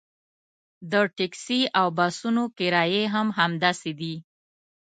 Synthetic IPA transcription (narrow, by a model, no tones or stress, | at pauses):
d̪əʈɪksiʔawbasunokɪɾɑjeɦamɦamd̪ased̪i